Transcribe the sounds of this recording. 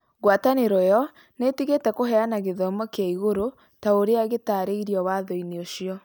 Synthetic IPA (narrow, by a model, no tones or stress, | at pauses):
ɣwataneɾɔjɔ | netiɣetɛkoɦɛanaɣeðɔmɔkjaiɣoɾo | taoɾeaɣetaːɾeiɾiɔwaðɔineoʃiɔ